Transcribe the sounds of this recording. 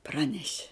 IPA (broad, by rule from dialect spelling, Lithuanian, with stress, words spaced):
ˈprɑːnʲɛʃʲɪ